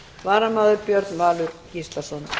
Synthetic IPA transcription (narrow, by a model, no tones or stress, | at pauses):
vaːɾamaːðʏɾpjœɾt̪nvaːlʏɾcist̪lasɔn